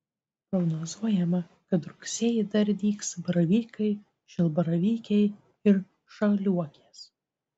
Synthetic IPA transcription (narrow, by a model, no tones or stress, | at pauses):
pɾɔɡnozuɔjɛmɐ | kɐt̪ɾʊksʲeːjɪd̪ɐɾʲd̪ʲiːksbɐɾɐʋʲiːkɐɪ | ʃʲɪlˠbɐɾɐʋʲiːkʲɛɪ | ɪɾ | ʃɐlʲuɔkʲeːs